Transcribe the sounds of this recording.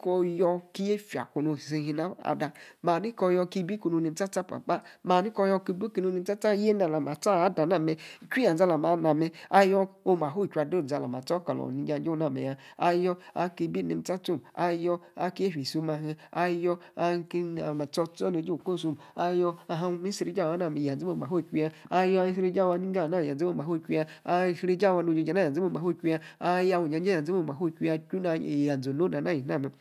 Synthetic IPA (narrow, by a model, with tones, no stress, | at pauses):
kɔ˧jɔ˧ki˦je˦fi˨a̰˨ku˧no˧˨se˧ɦi˧na˦a̰˨da˧maː˨ni˦kɔ˧jɔ˧ki˧˦bi˦ku˧nu˧ni˧˦ta˦ta˦pa̰˨k͡pa˦maː˨ni˦kɔ˧jɔ˧ki˧˦bu˦ki˧nu˧ni˧˦ta˦ta˦e˦na˨la˨ma˨ta˦a˦da˨na˦˨mɛ˧i˨t͡ʃʷi˦a˨d͡za˧la˨ma˨˦na˧mɛ˧a˦jɔ˧o˧ma˨ɦo˦˨t͡ʃʷa˧˨do˦˨d͡za˨˧la˨m˨a˨t͡sɔ˦ka˨lɔ̰˨ni˧d͡ʒa˧˦d͡ʒo˦na˦˨mḛ˨ja˧a̰˧jɔ˧a̰˧ki˧bi˦nḛ˧m˦ta˦tu˦˨a˧jɔ˧a̰˦ke˦hʲi˨su˧ma˧ɦi˧a˧jɔ˧a˧ka˨ma˨t͡sɔ˧t͡sɔ˦ne˨˧˦d͡ʒi˦u˨ko˦˨su˧m˨a˧jɔ˧a˧ɦã˧mi˦si˧ɾi˦d͡ʒa˦˨wa˨˦na˦˨m˨a˨d͡ze˦o˦˧˨ma˨ɦo˦˨kʲʷu˧ja˧a˧jɔ˧a˧i˦sɾi˦d͡ʒa˦˨wa˧˦ni˦a˦˨na˦˨a˨d͡ze˦o˦˨ma˨ɦo˦˨kʲʷu˧ja˧a˧˨sɾe˦d͡ʒa˦˨wa˧no˧d͡ʒe˧˦d͡ʒa˨na˦˨ja˨d͡ze˦o˧˨ma˨ho˦˨kʲu˧˦a˧a˦˧ja˧wu˨d͡ʒa˨˧˦d͡ʒja˨d͡ze˦o˧˨ma˨ɦo˦˨kʲʷu˧˦a˧ku˦na˧˨ja˨d͡zo˨no˦da˨na˦˨i˨˦a˦˨me˨